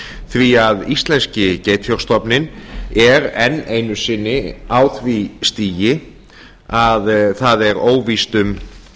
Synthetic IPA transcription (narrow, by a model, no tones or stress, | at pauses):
θviaðist̪lɛnscɪceːjt̪ʰɔ̥st̪ɔpnɪnɛɾɛnːejnʏsɪnːɪawθvist̪iːjɪ | aðθaðɛɾoːwvist̪ʏm